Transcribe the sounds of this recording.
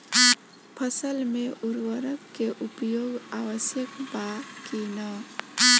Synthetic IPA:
pʰəsəlmeʔuɾwəɾəkːeʔupjoɡaʋəsjəkbakinʌ

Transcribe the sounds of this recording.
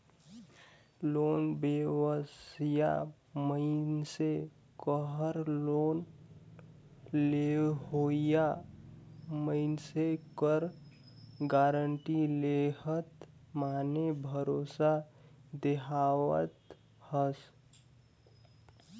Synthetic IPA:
loːnbewəsja̰ | məɪnse | kəɦəɾloːn | leɦoja | məɪnsekəɾ | ɡaːɾəɳʈileɦət̪maːnebʱəɾosad̪eɦawə̰t̪ | həs

